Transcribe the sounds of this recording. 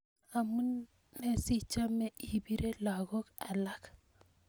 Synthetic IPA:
a˨mu˦n | me˦si˦t͡ʃa˦mɛ˦ʔi˨bi˦ɾe˦la˨ɣɔ˦ka˨la˦k

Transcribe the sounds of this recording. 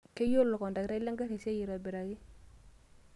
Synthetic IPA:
ke˦jo˦lːɔ˨kɔ˨nda˨kɪ˨ɾa˦lʲa˦ŋɡa˦ɾe˨sa˦ji˨ɾɔ˨bɪ˨ɾa˨ki˦

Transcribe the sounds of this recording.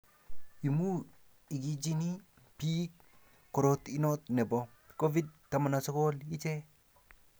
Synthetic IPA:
i˨mu˦ | i˨ki˦d͡ʒi˦ni˦ | pi˦k | kɔ˨ɾot̪i˦no˦t̪nɛ˨bɔ˨ | ko˦vi˦d̚tama˨na˨so˦koli˦t͡ʃɛ˦

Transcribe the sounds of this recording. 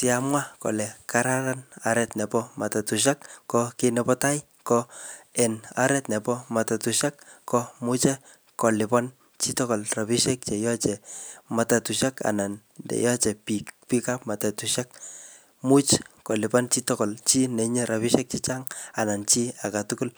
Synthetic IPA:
ti˦a˨mwa˦ko̰˨lɛ˨ka˨ɾa˦ɾa˦na˨ɾɛ˦tnɛ˨pɔ˦ma˨ta˨tu˨ʃa˦kːɔke˦nɛ˦pɔ˦ta˦j | kɔ˦ɛ˨na̰˦ɾɛ˦tnɛ˨pɔ˦ma˨ta˨tuʃa˦kːɔ˦mu˦t͡ʃɛ˦ | kɔ˨lɪ˨pɔ˦n | t͡ʃi˦tɔ˦kɔ˨lra˨pi˦ʃɛ˦k̚t͡ʃe˨jɔ˦t͡ʃɛ˨ma˨ta˨tu˨ʃaka̰˨na˨n | dɛ̰˨jɔ˦t͡ʃɛ˨pi˨pi˦ka˦pma˨ta˨tu˨ʃa˦k̚ | mu˦t͡ʃkɔ˨lɪ˨pɔ˦nt͡ʃi˦tɔ˦kɔ˨lt͡ʃi˦nɛ˨ɲe˦ɾa˨pi˦ʃɛ˦k̚t͡ʃi˦t͡ʃa˦ŋa˨na˨nt͡ʃi˦a˨ka˨tuku˦l

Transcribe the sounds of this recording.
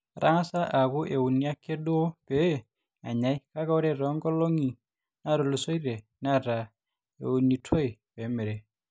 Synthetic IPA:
ɾʔa˦ŋa˦sa˦ʔa˨kʊ˦ʔe˨wu˨ni˦a˦kːe˦do˦o˦pe˦ | a̰˨ɲa˨˦jka˦ka˦o˦ɾe˦ɾɔ˨˦ŋɡɔ˦lo˦ŋi˨ | na˦ɾo˨lo˨so˦iɾe˨ | na˦ɾa˨ | ḛ˨u˨ni˨tʰo˦i˨pe˨˦mɛ˨ɾe˨

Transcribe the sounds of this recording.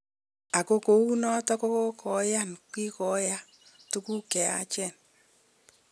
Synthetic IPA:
a˨ko˦ko˨u˦nɔ˦tɔ˦ko˦ko˦kɔ˨ja˦˨nkwi˦kɔ˨˦ja˦ | tu˦ku˦kɛ˨a̰˨˦t͡ʃɛ˦˨n

